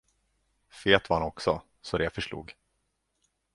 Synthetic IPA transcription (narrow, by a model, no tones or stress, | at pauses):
feːt̪vaɾhanɔksɔ̰ | sɔd̪ɛjafœʂlṵːɡ